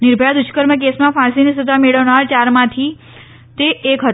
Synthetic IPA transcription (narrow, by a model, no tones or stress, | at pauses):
nɪɾbʱjad̪ʊt͡ʃkəɾmək̬esmãfãsinisəd̪ʱameɭəʋnaɾt͡ʃaɾmãt̪ʰi | t̪eʔːkɦət̪